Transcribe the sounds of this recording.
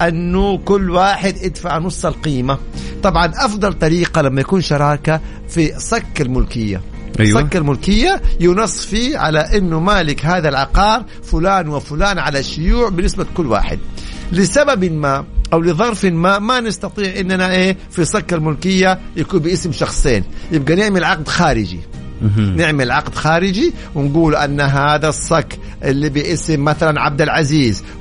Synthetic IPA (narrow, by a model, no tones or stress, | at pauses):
ʔanːʊkʊlːwaːħɪd̪ʔɪd̪faʕnʊsˤːɑlqiːma | t̪ˤɑbʕɑnʔɑfd̪ˤɑlt̪ˤɑɾiːqalamːajakuːnʃɑɾˤɑːka | fisˤɑkːalmʊlkɪjːa̰ | asˤakːalmʊlkɪjːajʊnɑsˤːfiʕa̰laʔɪnːʊmaːlɪkɦaːðalʕɑqɑːɾ | fʊlaːnwɪfʊlaːnʕalaʃːʊjuːʕbɪnːɪsbakʊlːwa̰ːħɪ̰d̪̚lɪsababɪlmaːʔawlɪðˤɑɾˤfɪlmaːʔmanɪst̪ɑt̪ˤiːʕʔɪnːanaʔeː | fisˤɑkːalmʊlkɪjːajakuːnbɪʔɪsmʃɑxsˤeːnjɪb̚ɡanɪʕmɪlʕɑq̚d̪xaːɾɪd͡ʒḭ | nɪʕmɪlʕɑqd̪xaːɾɪd͡ʒiwɪnɡuːlʔanːaɦaːðasˤːɑkː | ʔɪlːibɪʔɪsɪmːaθalanʕab̚d̪alʕaziːz